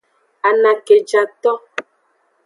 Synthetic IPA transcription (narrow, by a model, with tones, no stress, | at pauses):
a˨nã˨ke˨d͡ʒa˨t̪ɔ˦